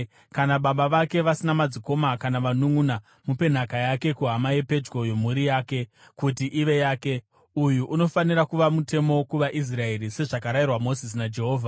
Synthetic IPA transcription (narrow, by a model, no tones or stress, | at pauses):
kanaɓaɓaʋake̞ʋasinamad͡ziko̞makanaʋanuŋuna | mupe̞n̤akajake̞kuɦamajepe̞d͡ʒɡo̞jomuɾijaːke̞ | kutiʔiʋe̞jaːke̞ | ujuʔuno̞faniɾakuʋamute̞mo̞kuʋaʔis̬rae̞rise̞ʐakaɾairwamo̞zis̬nad͡ʒe̞ɦo̞ːvʱa